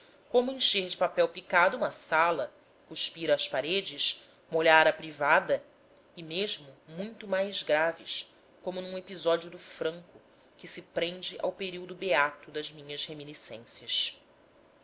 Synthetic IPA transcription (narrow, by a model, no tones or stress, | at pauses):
kõmʊẽʃeɾd͡ʒɪpapɛwpikad̪ʊũmɐsalɐ | kuʃpiɾɐːʃpaɾed͡ʒɪʃ | moʎaɾɐpɾivad̪ɐ | ɪmeʒmʊmũj̃t̪ʊmajzɡɾavɪʃ | kõmʊnũepizɔd͡ʒiʊd̪ʊfɾɐ̃ŋkʊ | kɪsɪpɾẽnd͡ʒɪʔa̰wpeɾiwd̪ʊbeat̪ʊd̪ɐzmĩɲɐzheminisḛ̃sjɐʃ